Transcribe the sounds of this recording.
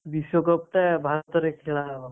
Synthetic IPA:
bisjɔkɔp̚t̪abʱat̪ɔɾekʰeɭa

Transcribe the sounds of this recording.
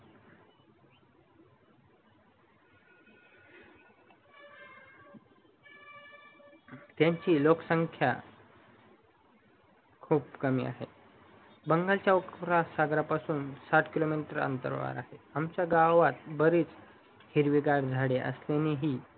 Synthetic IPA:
t̪jaɲt͡ɕiːloksəŋkʰja̰ | kʰuːpkəmḭːa̰ɦe | bəŋɡalt͡ɕjaukɾasaɡɾapasuːnsaʈkilomiʈəɾə̰nt̪ə̰ɾʋa̰ɾa̰ɦeamt͡ɕjaɡaʋat̪̚bəɾiːt͡s | hiɾʋiɡaɽd͡zʱaɽeʔə̰sleneɦiː

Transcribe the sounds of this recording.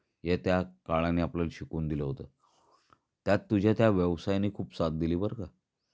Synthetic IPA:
jet̪jakaɭanːiːapləlɕikuːnd̪iləɦot̪ə̰ | t̪jat̪ːud͡ʑʱjat̪jaʋjəʋsajniːkʰuːpsat̪̚d̪iliːbəɾka

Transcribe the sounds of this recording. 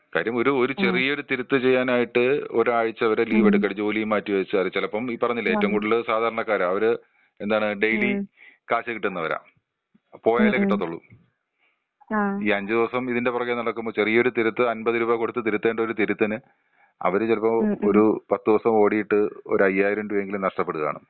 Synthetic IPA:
kaːɾjɐmo̞ɾuo̞ɾut͡ɕerijo̞ɾut̪iɾut̪ːɨt͡ɕe̞jːaːnaːjiʈːɨoɾuaːɻit͡ɕːɨɐʋɐɾeliːʋeɽuk̬ːɐɽt͡ɕːoːlijumːaːtːiʋɐjit͡ɕːɨɐðɐt͡ɕelɐpːɐmiːpɐrɐɲːilːɐeːtːɐmŋkuːɽilɨsaːd̪ʱaːɾɐɳɐkːaːɾɐɐʋɐɾɨ | e̞nd̪aːɳɨɖejlikaːɕɐkiʈːunːɐʋɐɾa̰ː | po̞ːjaːilekikʈːɐt̪ːuɭːṵ | iːɐɲd͡ʑɨd̪iʋɐsɐmiðinde̞purɐkːenɐɭɐkːumbo̞ːt͡ɕe̞rijɐoɾut̪iɾut̪ːɨɐnbɐðiɾuːbɐko̞ɽut̪ːɨt̪iɾut̪ːe̞ːɳɖɐo̞ɾut̪iɾut̪ːɐnɨ | ɐ̰ʋɐɾɨt͡ɕelɐpːɐmoɾupɐt̪ːɨd̪iʋɐsɐmo̞ːɽijiʈːɨo̞̰ɾuɐjːaːjiɾɐmdujeŋɡilumnɐʂʈɐpːe̞ɽuɣɐða̰ːɳɨ̰

